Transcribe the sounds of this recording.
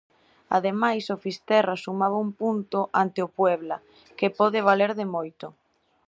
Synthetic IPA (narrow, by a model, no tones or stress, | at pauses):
a̰ðemajsofist̪ɛrasumaβaumpunt̪ʊʔant̪eopwɛβla | kepɔðɪβ̞aleɾðɪmojt̪ʊ